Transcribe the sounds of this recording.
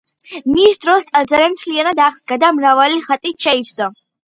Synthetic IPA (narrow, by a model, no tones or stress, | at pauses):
misd̪ɾɔst̪sʼad̪zaɾɛmχʰlijanad̪aχsɡad̪amɾavaliχat̪ʼit͡ʃʰaifsa